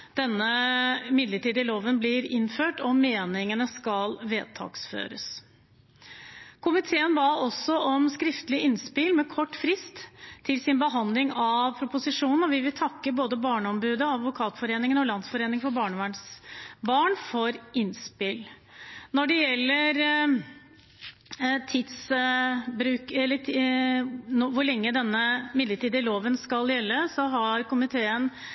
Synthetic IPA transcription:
d̪̥ɛnːəmɪd̪ləʈiːd̪ɪloːʋənblɪɾɪnføːʈɔmeːnɪŋənəskɑlʋeːd̪̚t̪ʰɑ̰ːksfø̰ːɾə̰s | kʰʊmɪt̪ʰeːənbɑːɔsːɔʔɔmskɾɪft̪əlɪɪnspɪlmɛkʰɔʈːfɾɪst̪ʰːɪlsɪnbəɦɑnd̪lɪŋɑʋpʰɾʊpʊsɪʂuːnn̩ɔʋɪʋɪlt̪ʰɑkːəboːd̪əbɑːɳəɔmbʉːd̪əɑd̪ʋʊkʰɑːt̪fɔɾeːnɪŋənɔlɑnsfɔɾeːnɪŋfɔɾbɑːɳəʋæɳsbɑːɳfɔɾɪnspɪl | nɔɖɛjɛlːəɾ | t̪ʰiːd̪s | bɾʉːkɛlːə | ʋʊɾɭɛŋːəd̪ɛnːəmɪd̪ləʈiːd̪əɪloːʋənskɑljɛlːəsɔɦɑɾkʊmɪt̪ʰeːən

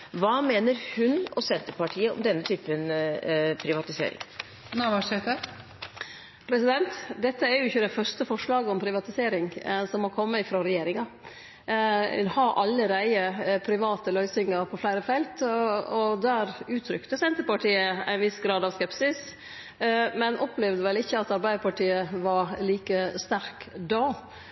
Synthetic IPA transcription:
ʋɑːmeːnəɾhʉnɔsɛnt̪əɾpɑʈʰiːəɔ̰md̪ɛnːət̪ʰyːpən | pʰɾɪʋɑt̪ɪsḛːɾɪ̰ŋ | næʋɑʂet̪ə | pʰɾɛsɪd̪ɛnt̪d̪ɛt̪ːəæɾjʊɪçːəd̪æfœɾʂʈ̪əfɔʂɭɑːɡəɔmpʰɾɪʋɑt̪ɪseːɾɪŋsɔmhɑlkʰɔmːəɪfɾoːɾɛjeːɾɪŋɑ | hɑɾʔɑlːəɾæɪəpʰɾɪʋɑːt̪əlœʏsɪŋɑɾpʰɔflæɪɾəfɛlt̪ɔd̪æːɾʉːt̪ʰɾʏkt̪əsɛnt̪əɾpɑʈʰiːəæ̰ɪnʋɪsɡɾɑːd̪ɑʋskɛpsɪs | mɛnʔɔpːlɛʋd̪əʋɛlɪçːəɑt̪ɑɾbæɪəpɑʈiːəʋɑɾliːkəst̪æɾkd̪oː

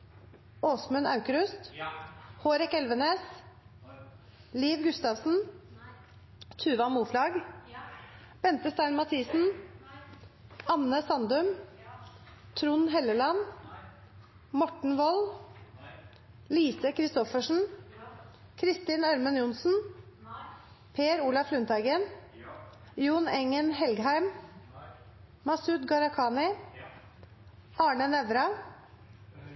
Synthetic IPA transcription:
oːsmʉnɑʉkəɾʉst̪ | hoːɾɛkɛlʋəneːs | liːʋɡʉst̪ɑːʋsn̩ | t̪ʰʉːʋɑmuːflɑːɡ | b̥ɛnt̪əst̪æɪnmɑt̪ʰiːsn̩ | ɑnːəsɑnd̪ʉm | t̪ʰɾʊnɦɛləlɑn | mɔʈɳ̩ʋɔl | liːsəkʰɾɪst̪ɔfəʂn̩ | kʰɾɪst̪ɪːnɑɾmənjʊnsn̩ | pʰeːɾuːlɑflʉnt̪ʰæɪɡən | juːnɛŋənhɛlɡhæɪm | mɑsʉt̪ɡɑɾɑkʰɑːnɪ | ʔɑːɳənɛʋɾɑ

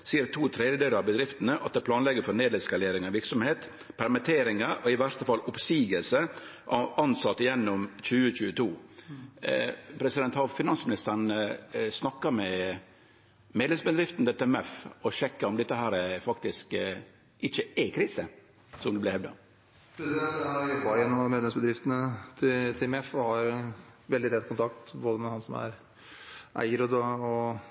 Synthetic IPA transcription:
siːəɾt̪ʰuːt̪ʰɾeːd̪əd̪eːləɾɑbəd̪ɾɪft̪ənəʔɑt̪̚d̪ɛːpʰlɑːnlɛɡːəɾfɔɾneːd̪ɛskɑleːɾɪŋɑʋɪɾksɔmheːt̪ | pʰæɾmɪt̪ʰeːɾɪŋəɾɔɪʋæɾt̪əfɑlʊpsiːɡəlsəʔɑɑnsɑt̪ːjɛnːʊmt͡ʃʉːət͡ʃʉːət̪ʰuː | pʰɾɛsɪd̪ɛnt̪hɑfɪnɑnsəmɪnɪst̪əɾɳsnɑkːəɾmɛ | meːd̪lɛmsbəd̪ɾɪft̪nət̪ɪt̪ɪmɛfɔɕɛkːəɔmd̪ɛt̪ːəhæːɾəfɑkt̪ɪsk | ʔɪçəɛkʰɾiːsə | sɔmd̪ɛblɪhɛʋd̪ə̰ | pʰɾɛsɪd̪ɛnt̪ɑɪbɑɪənɔmeːd̪lɛmsbəd̪ɾɪft̪ənət̪ʰɪt̪ʰɪmɛfɔhɑɾʋɛld̪ɪt̪ʰɛt̪̚kʰʊnt̪ʰɑk̚t̪boːd̪əmɛhɑnsɔmæ̰ɾ | ʔæ̰ɪəɾəd̪ɔɔ

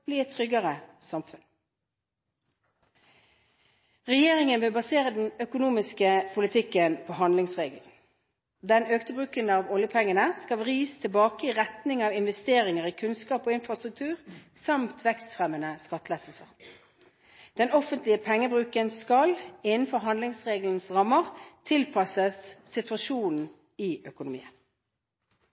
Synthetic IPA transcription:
bliːɛt̪ʰːʁʏɡəʁəsɑmfʉn | ʁɛjeːʁɪŋənbeːbɑseːʁəd̪n̩œkʊnuːmɪskəpʰʊlɪt̪ʰɪkːənpʰoːɦɑnd̪lɪŋsʁeːɡəln̩ | d̪ɛnøːkt̪əbʁʉːkənɑʋɔljəpʰɛŋːənəskɑʋʁiːst̪ʰɪbɑːkəɪʁɛt̪nɪŋɑːʋɪnʋɛst̪eːʁɪŋəʁiːkʰʉnskɑːpoːɪnfʁɑst̪ʁʉk̚t̪ʰʉːʁsɑmt̪ʰʋɛkst̪fʁɛmːənəskɑt̪ːəlɛt̪ʰlsəʁ | d̪̥ɛnɔfənt̪lɪəpʰɛŋːəbʁʉːkənskɑlɪnnfɔʁɦɑnd̪lɪŋsʁeːɡəln̩sʁɑmːəʁt̪ʰɪlpʰɑsəsːɪt̪ʋɑʃuːnn̩ | ɪœkʊnʊmḭːən

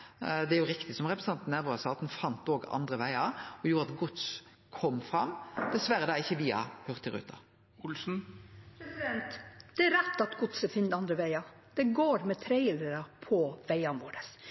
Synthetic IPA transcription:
d̪ɛæɾjʊɾɪkt̪ɪsɔmʁɛpɾəsɑnt̪n̩æːɾʋəɾɑsɑːt̪nfɑnt̪oːɡɑ̰nd̪ɾəʋæɪɑɾɔjuːɾəɑt̪ɡʊt̪s | kʰɔmːfɾɑmd̪̥ɛsʋæɾəd̪ɑɪçːəʋiːɑ̰hœʁt̪ʰːɪɾʉ̰ːt̪ʰɑ̰ | ʊlsn̩pɾɛsɪd̪ɛnt̪d̪̥ɛæɾɛt̪ːɑt̪ɡʊt̪sɛfɪnt̪ɑnd̪ɾəʋæɪɑ | d̪̥ɛɡoːɾmɛt̪ʰɾeɪɪld̪əɾɑpʰɔʋæɪɑnʋo̰ːɾəs

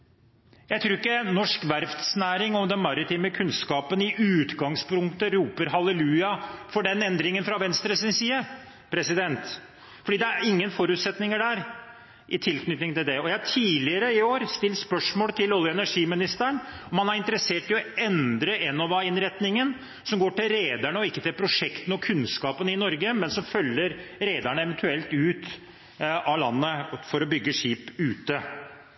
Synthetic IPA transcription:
jæɪt̪ʰɾuːɾɪkːənɔʂkʋæɾft̪snæːɾɪŋɔmd̪ɛnmɑɾɪt̪ʰiːməkʰʉnskɑːpənɪʔʉːt̪ɡɑŋspʰʊŋkt̪əɾuːpəɾɦɑləlʉːɑfɔɖɛnɛnd̪ɾɪŋənfɾɑʋɛnst̪ɾəsɪnsiːə | pʰɾɛsɪd̪ɛnt̪ | fɔɖiːd̪ɛæɾɪŋːənfɔɾʉːt̪sɛt̪nɪŋəɖæːɾ | ʔɪt̪ʰɪlkʰnʏt̪nɪŋt̪ɪld̪ɛɔjæɪhɑʈʰiːlɪəɾəɪoːɾst̪ɪlːspœʂmoːlət̪ʰɪlɔljəɛnæʂiːmɪnɪst̪əəɳ | ɔmɑnhɑɾɪnt̪əɾəseːʈɪɔɛnd̪ɾəʔɛnːɔʋɑɪnɾɛt̪nɪŋən | sɔmɡoːʈɪlɾeːd̪æɳəɔɪkːət̪ɪlpʰɾʊʂɛkt̪ənəɔkʰʉnskɑːpənəɪnɔɾɡəmɛnsɔmfœlːəɾɾeːd̪æɳəɛʋɛnt̪ʰʉɛlt̪ʉːt̪ | ɑlɑ̰nːəfɔɾɔbʏɡːəʂiːpʉːt̪ə

